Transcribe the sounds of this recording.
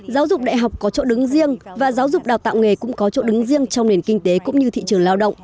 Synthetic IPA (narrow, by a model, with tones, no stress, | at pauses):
zaː˨˦wzʊ˨˩k͡p̚ɗa̰ː˧˨jɦa˨˩wk͡p̚kːɔ˨˦t͡ɕo̰˧˥ɗɨ˨˦ŋzi˧əŋvaː˨˩zaː˨˦wzʊ˨˩k͡p̚ɗaː˨˩wt̪a̰ː˧˨wŋe˨˩kʊ̰˧˥ŋ͡mkɔ˨˦t͡ɕo̰˧˥ɗɨ˨˦ŋzi˧əŋt͡ɕɔ˧wŋ͡mɗe˨˩nkï˧ŋ̟t̪e˨˦kʊ̰˧˥ŋ͡mɲɨ˧t̪ʰḭ˧˨t͡ɕɨ˨˩əŋlaː˧wɗə̰˧˨wŋ͡mʔ